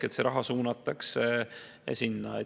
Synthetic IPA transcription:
et̪seɾɑɦɑsuːnɑt̪ːˑɑks | sinːɑe

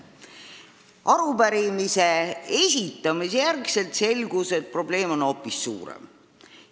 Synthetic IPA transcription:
ʔɑɾubæɾimise̞e̞sʲit̪ːˑɑmisjærkse̞lt̪se̞lɡ̥use̞t̪̚pro̞ble̞ːmo̞no̞pːˑissṵːɾḛm

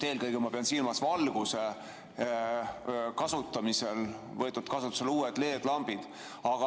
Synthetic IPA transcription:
e̞ːlkɤjɡemɑpe̞ɑnsilmɑsvɑlɡ̥use̞ | kɑsut̪ˑːɑmise̞l | vɤ̞et̪ːud̪̥kɑsut̪ːˑu̥seluːed̪le̞ːd̪̥lɑmb̥id̪̥ | ɑɡ̥ɑ

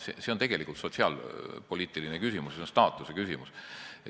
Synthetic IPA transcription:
sḛse̞ont̪e̞ɡ̥e̞likult̪so̞t̪ʲsiɑ̰lpo̞lʲiːt̪ːˑilinekysʲimusjseonst̪ɑːt̪ːˑusekysimus

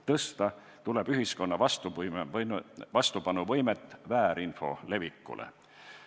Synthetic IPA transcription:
t̪ɤst̪ɑ | t̪uleb̥yɦisko̞nːɑvɑst̪upm | vɑst̪upɑnuvɤ̞jmet̪ːˑvæːɾinfo̞̰le̞vikːˑṵlʔḛ

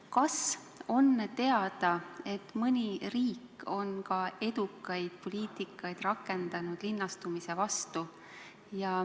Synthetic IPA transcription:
kɑs | o̞nːt̪e̞ɑd̪̥ɑe̞t̪ːˑmɯnʲiriːkːˑo̞nkɑe̞d̪̥ukːˑɑjd̪̥̚po̞liːt̪ˑikːˑɑjd̪̥rɑkːˑe̞nd̪ɑnud̪̥linːɑst̪umise̞vɑst̪u | jɑ

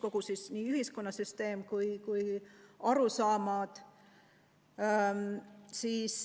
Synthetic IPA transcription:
ko̞ɡ̥usisniːyɦisko̞nːɑsyst̪e̞ːmkujkujɑɾusɑːmɑd̪̥ | siːs

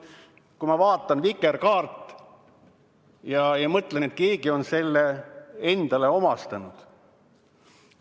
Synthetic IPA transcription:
kumɑvɑːt̪ˑːɑnvikːˑerkɑːrt̪ˑː | jɑjɑmɤt̪lenet̪̚ke̞ːɡ̥io̞nse̞lːee̞nd̪̥ɑle̞o̞mɑst̪ɑnud̪̥

